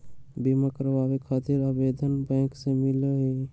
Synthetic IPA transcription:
biməkəɾbabekʰət̪iɾabed̪ʱənbɛ̃ksẽmileɦe

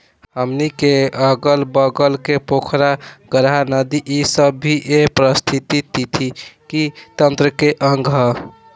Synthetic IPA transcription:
ɦəmnikeəɡəlbəɡəlkepokʰɾaɡəɾɦanəd̪iʔisəbːʱiʔepɾəst̪ʰit̪it̪it̪ʰikit̪ənt̪ɾəkeʔəŋɡʱɦə

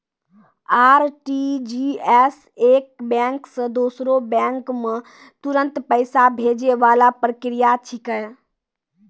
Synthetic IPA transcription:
aɾʈid͡ʒiɛs | ek̚bɛ̃ŋksə̃d̪osɾobɛ̃ŋkme | t̪uɾənt̪pəɪsabʱed͡ʒeʋalapɾəkɾijat͡ʃʰikə

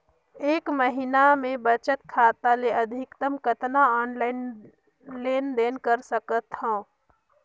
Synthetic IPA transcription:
eːkməɦinamẽbət͡ʃət̪̚kʰaːt̪aleɐd̪ʱɪkt̪əmkət̪naɔːnlaɪn | leːnd̪eːnkəɾsəkət̪hõː

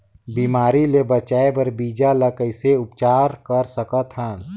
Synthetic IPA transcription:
biːmaːɾilebət͡ʃaːebəɾbiːd͡ʒaləkəɪseʊpt͡ʃaːɾkəɾsəkət̪ɦə̃ːn

